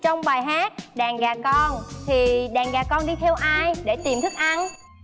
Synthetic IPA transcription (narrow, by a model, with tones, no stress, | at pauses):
t͡ɕɔ˧wŋ͡mɓaː˨˩jɦaː˦˥k̚ɗaː˨˩ŋɣaː˨˩kɔ˧nt̪ʰi˨˩ɗaː˨˩ŋɣaː˨˩kɔ˧nɗi˧t̪ʰɛ˧wʔaː˧jɗe˧˩t̪i˨˩mt̪ʰɨ˦˥k̚ʔa˧n